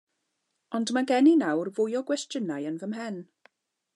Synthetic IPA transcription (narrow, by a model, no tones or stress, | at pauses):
ɔndmaɡɛninawrvʊjɔɡwɛstənajənvəmɦɛn